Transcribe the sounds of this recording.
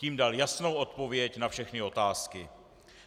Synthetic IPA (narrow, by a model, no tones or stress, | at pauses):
ciːmdaljasno̞wʔo̞t̪po̞vjɛcnafʃɛxnɪo̞t̪aːskɪ